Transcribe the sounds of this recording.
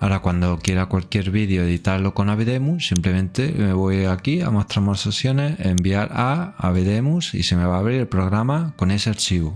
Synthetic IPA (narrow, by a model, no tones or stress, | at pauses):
aɾakwand̪o̞kje̞ɾakwalkje̞ɾβiðjoeðit̪aɾlo̞ko̞naβeðemusimple̞mẽnt̪eme̞βo̞jakia̰moht̪ɾamosesjo̞neembiaɾaa̰βeðemusḭse̞me̞βaːβɾiɾelpɾo̞ɣɾamako̞ne̞seaɾt͡ʃiβu